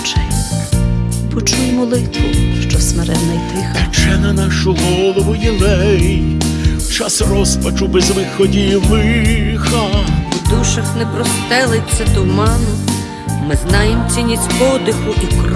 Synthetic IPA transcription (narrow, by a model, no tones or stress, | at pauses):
t͡ʃɛ | pɔt͡ʃujmɔlˠɪt̪ʋʊ̰ʃt͡ʃɔsmeɾɛd̪nɐjt̪ɪxɐt͡ʃɛnɐnaʃʊɦɔlˠɔʋʊjɛlˠɛj | wt͡ʃasrɔspɐt͡ʃʊbɛzʋɪxɔdʲilˠɪxɐd̪uʃɐxnɛpɾɔst̪ɛlˠet͡sʲːɐt̪ʊmɑnʊ | mɪznɑjemt͡sʲinʲizʲpɔd̪ɪxʊʔikr